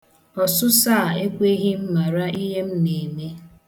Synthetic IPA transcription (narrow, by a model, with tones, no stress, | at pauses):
ɔ˨sʊ˦saː˦˨e˦kʷe˦ɦi˦m̩˦ma˨ɾa˦i˦ɦe˦m̩˦ne˨me˦